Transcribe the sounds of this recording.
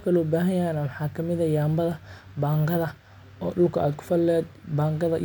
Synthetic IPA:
kʰɐlɔːbaːɦɐjɐɛnamɑħɑːkʰɐmɪðɐjaːmbɐðɐ | baːŋɡɐðɐ | ɔːɖʊlkʰɐʔa̰ːd̪kʰʊ̥fɐlːɛːd̪baːŋɡɐðɐ

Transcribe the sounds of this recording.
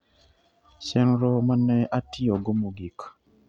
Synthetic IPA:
sɛnɾɔmanɛʔatiɔɡɔmuɡik

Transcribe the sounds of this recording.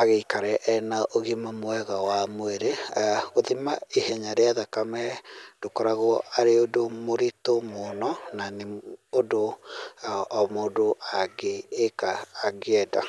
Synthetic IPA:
aɣeikaɾɛʔɛnaʔoɣimamwɛɣawamweɾeoðimaehɛɲaɾeaðakamɛd̥okɔɾaɣoaɾeodomoɾitomonɔnaneodo | moːdoaɡeːkaːɣeɛda̰

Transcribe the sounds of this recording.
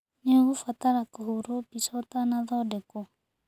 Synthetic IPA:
nɛɣufat̪aɾakɔhuɾupit͡ʃɔt̪anaðɔdɛkɔ

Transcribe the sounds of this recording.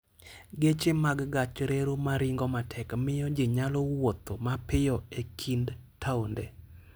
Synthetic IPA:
ɡet͡ʃemaɡɡat͡ʃɾeɾumaɾɪŋɡɔmatʰɛkmɪjɔd͡ʒɪɲalɔwot̪omapɪjɔekʰindtʰaundɛ

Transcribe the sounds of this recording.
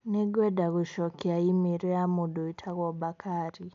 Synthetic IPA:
neɡwedaɣuʃokiaimiɾojamudoitʰaɣwobakʰaɾi

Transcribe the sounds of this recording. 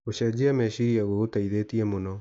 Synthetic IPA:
oɕɛd͡ʑiamɛɕiiaɣootaiðetiɛmonɔ

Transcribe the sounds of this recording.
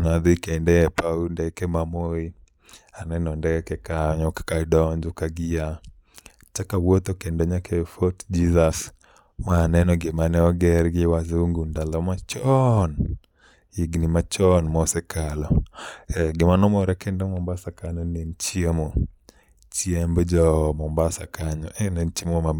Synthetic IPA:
nad̪ʊikɛindɛɛpaundɛkɛmamoi | anɛnɔndɛkɛkaɲɔkkadɔɲd͡ʒukaɡia | t͡ʃakawɔt̪okɛndɔɲakɛfɔtd͡ʒizas | maːnɛnɔɡemanɛɔɡɛɾɡɪwazuŋɡundalɔmat͡ʃɔn | iɡnimat͡ʃɔnmɔsɛkʰalɔɛɡɪmanɔmɔɾɛkɛndɔmɔmbasakaɲɔnent͡ʃiemo | t͡ʃiembd͡ʒɔmɔmbasakaɲɔʔɛnent͡ʃemoa

